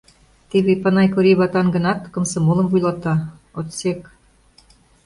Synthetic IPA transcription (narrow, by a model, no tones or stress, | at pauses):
t̪eβepɑnɑjkoɾiβɑt̪ɑnɡə̆nɑt̪kɤ̆msɤ̆molɤ̆mvujlˠɑt̪ɑ | ot̪sek